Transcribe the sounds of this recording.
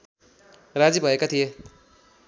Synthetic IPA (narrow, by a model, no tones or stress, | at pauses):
rad͡zibʱʌekat̪ʰije